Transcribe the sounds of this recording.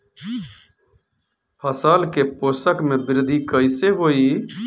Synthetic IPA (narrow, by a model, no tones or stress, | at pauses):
pʰəsaːlkepoːsəkmẽbɪɾd̪ikəɪseɦoːi